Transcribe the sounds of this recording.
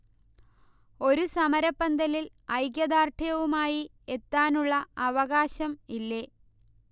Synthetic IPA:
o̞ɾusɐmɐɾɐpːɐnd̪ɐlil | ɐjɡjɐd̪aːrʈʰijɐʋumaːji | et̪ːaːnuɭːɐɐʋɐɣaːɕɐmilːe

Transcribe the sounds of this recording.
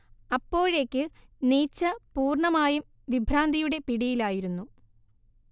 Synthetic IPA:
ɐpːo̞ːɻe̞ːkʲːɨ | niːt͡ɕːɐpuːrɳɐmaːjum | ʋibʱɾaːnd̪ʱijuɽe̞piɽijilaːjiɾunːu

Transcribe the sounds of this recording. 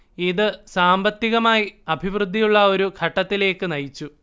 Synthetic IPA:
iðɨsaːmbɐt̪ːiɣɐmaːjiɐbʱiʋrɨd̪ʱːijuɭːɐo̞ɾuɡʰʱɐʈːɐt̪ːile̞ːkːɨnɐjit͡ɕːu

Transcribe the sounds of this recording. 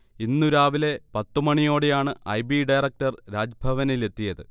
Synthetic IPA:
inːuɾaːʋile̞pɐt̪ːumɐɳijo̞ːɽe̞jaːɳɨʔɐjbiɖɐjrɐk̚ʈɐrɾaːd͡ʑbʱɐʋɐnile̞t̪ːijɐðɨ

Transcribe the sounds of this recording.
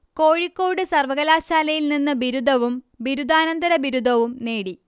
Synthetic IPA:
ko̞ːɻikːoːɽɨsɐrʋɐɣɐlaːɕaːlɐjilninːɨbiɾud̪ʱɐʋum | biɾud̪aːnɐnd̪ɐɾɐbiɾud̪ʱɐʋumneːɽi

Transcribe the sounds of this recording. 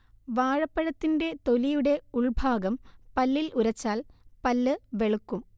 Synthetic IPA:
ʋaːɻɐpːɐɻɐt̪ːinde̞t̪o̞lijuɽe̞uɭbʱaːɡɐmpɐlːilʔuɾɐt͡ɕːaːlpɐlːɨʋe̞ɭukːum

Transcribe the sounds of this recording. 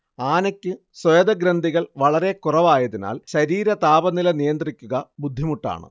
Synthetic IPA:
aːnɐkʲːɨ | swɐjɐd̪ɐɡɾɐnd̪ʱiɣɐɭʋɐɭɐɾe̞kurɐʋaːjɐðina̰ːlɕɐɾiːɾɐt̪aːbɐnilɐnijɐnd̪rikʲːuɣɐbud̪ʱːimuʈːa̰ːɳɨ̰

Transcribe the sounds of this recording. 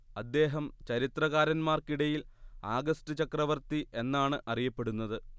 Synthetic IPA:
ɐd̪ːe̞ːɦɐmt͡ɕɐɾit̪rɐɣaːɾɐnmaːrkiɽɐjilaːɡɐstɨt͡ɕɐkrɐʋɐrt̪iʔe̞nːaːɳɨʔɐrijɐpːe̞ɽunːɐðɨ

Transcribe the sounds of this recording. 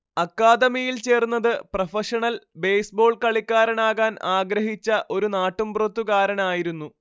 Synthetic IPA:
ɐkːaːd̪ɐmiːjilt͡ɕe̞ːrunːɐðɨprɐfɐʂɐɳɐlbe̞jsbo̞ːɭkɐɭikːaːɾɐnaːɣaːnaːɡɾɐɦit͡ɕːɐʔo̞ɾunaːʈːumbrɐt̪ːuɣaːɾɐnaːjiɾunːu

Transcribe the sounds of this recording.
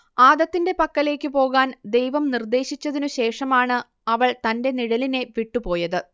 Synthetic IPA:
aːd̪ɐt̪ːinde̞pɐkːɐle̞ːkʲːɨpo̞ːɣaːnd̪e̞jʋɐmnird̪e̞ːɕit͡ɕːɐðinuɕe̞ːʂɐmaːɳɨ | ɐʋɐɭt̪ɐnde̞niɽɐline̞ʋiʈːupo̞ːjɐðɨ

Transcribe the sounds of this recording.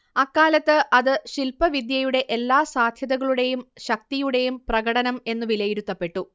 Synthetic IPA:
ɐkːaːlɐt̪ːɨʔɐðɨɕilpɐʋid̪jɐjuɽe̞ʔelːaːsaːd̪ʱjɐðɐɣɐɭuɽe̞jumɕɐk̚t̪ijuɽe̞jumprɐɣɐɽɐnɐme̞nːɨʋilɐjiɾut̪ːɐpːe̞ʈːu

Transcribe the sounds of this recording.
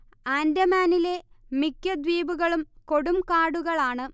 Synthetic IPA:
aːndɐmaːnile̞mikʲːɐd̪ʋiːbuɣɐɭumko̞ɽumkaːɽuɣɐɭaːɳɨ

